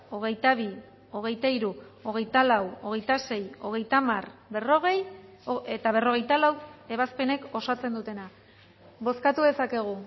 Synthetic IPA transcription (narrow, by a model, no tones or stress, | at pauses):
o̞ɣ̞e̞jt̪aβ̞i | o̞ɣ̞e̞jt̪aiɾuo̞ɣ̞e̞jt̪alawo̞ɣ̞e̞jt̪ase̞jo̞ɣ̞e̞jt̪amarbe̞ro̞ɣ̞e̞j | et̪aβ̞e̞ro̞ɣ̞e̞jt̪alawe̞β̞aspe̞ne̞ko̞sat͡se̞nd̪ut̪e̞na | βo̞skat̪uðe̞sake̞ɣ̞u